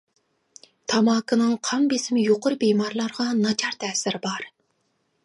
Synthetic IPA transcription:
t̪ʰɑmɑːkʰɨnɨŋqʰɑmbesɪmɪjoqʊɾbejmɑɾlˠɑɾʁɑnɑt͡ʃʰɑɾt̪ʰɛːsɪɾɪbɑɾ

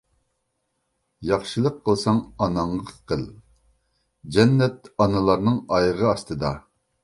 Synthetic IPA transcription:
jɑχʃɨlˠəqʰːəlˠsɑŋɑnɑɴːqʰəlˠ | d͡ʒɛnːɛt̪ɑnɨlˠɑɾnɨŋɑjʁəɑst̪ɨd̪ɑ

